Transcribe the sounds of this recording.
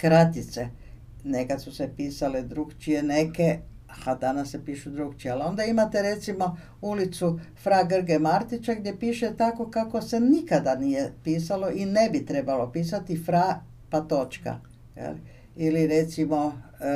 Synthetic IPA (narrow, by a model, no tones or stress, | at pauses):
kɾat̪it̪se | nekat̪susepiːsaled̪ɾuɡt͡ʃije̞neke | had̪anasːepiːʃud̪ɾuɡt͡ʃiealo̞nd̪aimat̪e̞ɾe̞t̪simo̞ | ulit̪sufɾaɡr̩ɡemaɾt̪it͡ʃaɡd̪je̞piːʃet̪ako̞kako̞se̞nikad̪anije̞piːsalo̞ʔinebit̪ɾe̞balo̞piːsat̪ifɾa | pat̪o̞t͡ʃka̰ | jḛl | iliɾe̞t̪simo̞